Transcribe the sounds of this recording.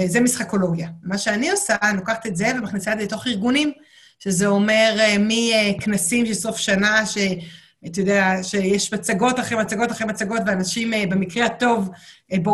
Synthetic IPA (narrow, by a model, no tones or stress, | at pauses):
zemisχako̞lo̞ɡjamaʃeanio̞salo̞kaχḁt̪etzevemaχnisaet̪zeto̞χiʁɡunim | ʃezeo̞me̞ʁemieknasimʃeso̞fʃanaʃe | at̪ajod̪eaʃejeʃmat͡saɡo̞taχemat͡saɡo̞taχʁemat͡saɡo̞tveanaʃimbemikʁehato̞vbo